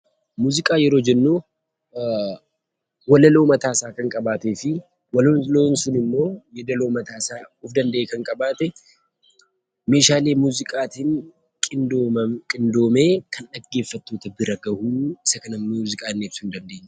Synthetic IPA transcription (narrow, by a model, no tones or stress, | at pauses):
muːzɪkʼaːjɛɾo̞ːd͡ʒɛnːu | wɐlɐloːmɐt̪aːsaːkɐŋkʼɐbaːt̪eːfɪ | wɐloloːnsʊnɪmːo̞ːjɛd̪ɐloːmɐt̪aːsaːʊːfd̪ɐnd̪ɐʔeːkɐŋkʼɐbaːt̪ɛ | me̞ːʃaːle̞ːmuːzɪkʼaːt̪ɪnʼ | kʼɪnd̪o̞ːme̞ːkʰɐnᶑɐɡːe̞ːfːɐt̪ːo̞ːt̪ɐbɪɾɐɡɐhuːɪsɐkɐnɐmmːuːzɪkʼaːnːeːbsʊɪnd̪ɐnd̪e̞ːɲː